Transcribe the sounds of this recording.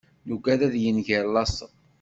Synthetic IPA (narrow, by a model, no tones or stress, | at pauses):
nuɡæðæðjənʝiɾˤlɑsˤə̰ˤ